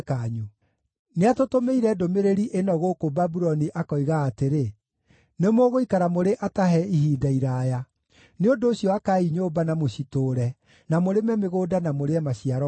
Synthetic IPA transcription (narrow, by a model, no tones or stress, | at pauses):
kaɲu | neatotomeiɾɛdomeɾeɾiʔenɔɣokobabuɾɔniʔakɔiɣaːteɾe | nemoɣoikaɾamoɾeʔataɦɛiɦiːndaiɾaːja | neondoːɕiɔakaiɲoːmbanamoɕitoːɾɛ | namoɾemɛmeɣoːdanamoɾeɛmaɕiaɾɔ